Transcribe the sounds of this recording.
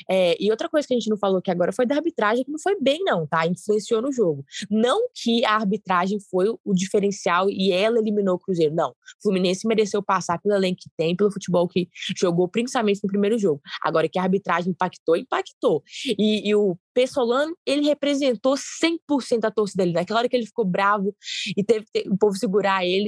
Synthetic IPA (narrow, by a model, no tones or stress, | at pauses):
ɛɪowt̪ɾɐkojzɐkɪɐʒẽt͡ʃɪnɐ̃w̃falokɪaɡɔɾɐfojd̪ɐaɾbit̪ɾaʒẽj̃kɪnɐ̃w̃fojbẽj̃nɐ̃w̃t̪aĩfluẽsionʊʒoɡʊnɐ̃w̃kʰɪɐaɾbit̪ɾaʒẽj̃fojʊʊd͡ʒifeɾẽsiawɪɛlɐelimĩnowkɾuzejɾʊnɐ̰̃w̃fluminẽsɪmeɾesewpasaɾpelʊelẽŋkʊ̥kɪ̥t̪ẽj̃pelʊfut͡ʃibɔwkɪʒoɡowpɾĩsi̥pamẽnt͡ʃɪnʊpɾimejɾʊʒoɡʊa̰ɡɔɾɐkɪɐaɾbit̪ɾaʒẽj̃paki̥t̪oĩpaki̥t̪oɪːʊpesolɐ̃nʊelɪɦepɾezẽnt̪osẽj̃pʊɾsẽnt̪ʊat̪osɪd̪elɪñɐkɛlɐɔɾɐkelɪfi̥kobɾavʊɪt̪evt̪eʊpovɪsɪɡuɾaelɪ